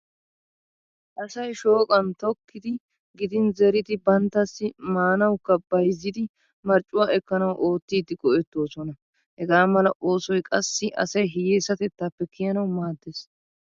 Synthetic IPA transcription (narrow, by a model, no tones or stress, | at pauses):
ʔɐsɐjʃo̞ːkʼɐnt̪ɔkːɪd̪ɪ | ɡɪd̪ɪnzɛɾɪd̪ɪbɐnt̪ːɐsːɪmaːnɐwkːɐbɐjzːɪd̪ɪ | mɐɾt͡ʃʼːʊwaːʔɛkːɐnɐwʔo̞ːt̪ːiːd̪ɪɡʼɔʔɛt̪ːo̞ːsɔnɐ | hɛɡaːmɐlɐʔo̞ːsɔjkʼɐsːɪʔɐ̰sɐjɦɪjeːsːɐt̪ɛt̪ːaːpːɛkʰɪjɐnɐwmaːd̪ːes